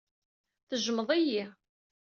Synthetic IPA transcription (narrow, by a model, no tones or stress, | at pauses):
θəʒəməðˤæji